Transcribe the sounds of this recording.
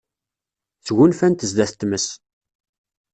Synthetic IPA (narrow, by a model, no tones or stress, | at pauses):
θʝʊnfænt̪əzd̪æθt̪ːməs